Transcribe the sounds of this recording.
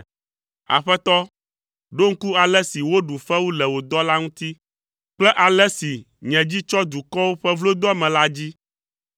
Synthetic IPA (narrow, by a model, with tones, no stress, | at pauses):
a̰˨ɸɛ˦t̪ɔ˦ | ɖo˦ŋ̩˦ku˦a˨lɛ˦si˨wo˦ɖu˨ɸɛ˦wu˦lɛ˨wo˨d̪ɔ˦la˦ŋũ˦t̪i˦ | k͡plɛ˦ʔa˨lɛ˦si˨ | ɲɛ̃˨d͡ʑi˦t͡ʃɔ˦d̪u˨kɔ˦wo˦ɸɛ˦vlo˦d̪ɔ˦mɛ̃˨la˦d͡ʑi˦